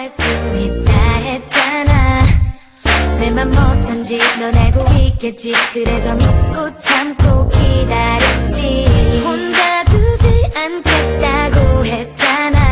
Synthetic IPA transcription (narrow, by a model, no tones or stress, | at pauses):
ɭs͈uit̚t͈aɦe̞t̚t͡ɕ͈ana | nemanmːʌtɯnd͡ʑinʌneɡoɡik͈et̚t͡ɕ͈ikɯɾe̞sʰʌmuk͈ot͡ɕʰamkokidaɾjet̚t͡ɕ͈ihond͡ʑatɯd͡ʑɯɭankʰet̚t͈aɡoɦe̞t̚t͡ɕ͈ana